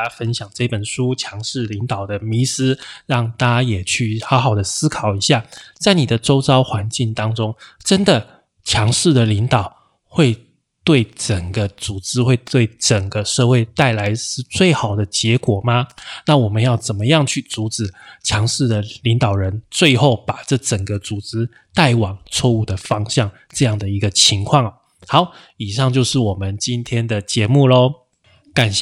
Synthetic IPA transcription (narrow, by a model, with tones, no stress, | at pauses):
a˧˥fə˥nɕjɑ˨˩ŋʈ͡ʂɤ˥˧˩pə˨˩nʂu˥t͡ɕʰjɑ˧˥ŋʂɻ̩˥˩li˧˥ŋt̪ɑ˨˩ʊd̪ə˦mi˧˥sɹ̩˥ɻɑ˥˩ŋt̪ʰa˥jɛ˨˩t͡ɕʰy˥˩xɑ˧˥ʊxɑ˨˩ʊd̪ə˦sɹ̩˥kʰɑ˨˩ʊi˧˥ɕja˥˩t͡sa˥˩ɪni˨˩d̪ə˦ʈ͡ʂo˥ʊt͡sɑ˥ʊxwa˧˥nt͡ɕi˥˩ŋt̪ɑ˥ŋʈ͡ʂʊ˥ŋʈ͡ʂə˥nd̪ə˨ | t͡ɕʰjɑ˧˥ŋʂɻ̩˥˩d̪ə˩li˧˥ŋt̪ɑ˨˩ʊ | xwe˥˩ɪ | t̪we˥˩ɪʈ͡ʂə˨˩ŋɡə˦t͡su˨˩ʈ͡ʂɻ̩˥xwe˥˧ɪt̪we˥˩ɪʈ͡ʂə˨˩ŋɡə˦ʂɤ˥˧xwe˥˧ɪt̪a˥˩ɪla˧˥ɪʂɻ̩˥˧t͡swe˥˩ɪxɑ˨˩ʊd̪ə˦t͡ɕjɛ˧˥kwɔ˨˩ma˦na˥˨wɔ˨˩mə˦njɑ˥˩ʊt͡sə˨˩nmə˦jɑ˥˧ŋt͡ɕʰy˥˩t͡su˧˥ʈ͡ʂɻ̩˨˩t͡ɕʰjɑ˧˥ŋʂɻ̩˥˩d̪ə˩li˧˥ŋt̪ɑ˨˩ʊɻə˧˦nt͡swe˥˧ɪxo˥˩ʊpa˨˩ʈ͡ʂɤ˥˩ʈ͡ʂə˨˩ŋɡə˦t͡su˨˩ʈ͡ʂɻ̩˥ | t̪a˥˩ɪwɑ˨˩ŋt͡sʰwɔ˥˧u˥˩d̪ə˩fɑ˥ŋɕjɑ˥˩ŋ | ʈ͡ʂɤ˥˧jɑ˥˩ŋd̪ə˩i˧˥ɡə˧t͡ɕʰi˧˥ŋkʰwɑ˥˩ŋ˩ | hɑ˨˦ʊ | i˨˩ʂɑ˥˧ŋt͡ɕjo˥˧ʊʂɻ̩˥˩wɔ˨˩mə˨˦nt͡ɕi˦nt̪ʰjɛ˥nd̪ə˨t͡ɕjɛ˧˥mu˥˩lɔ˨˩ | ka˨˩nɕ